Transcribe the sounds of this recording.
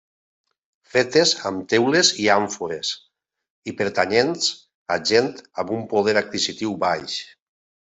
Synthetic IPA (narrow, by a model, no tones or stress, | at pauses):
fet̪eza̰mt̪ewleziaɱfoɾes | ipeɾt̪aɲens | a̰ʒent̪ambumpoð̞eɾak̚kizit̪iwbajʃ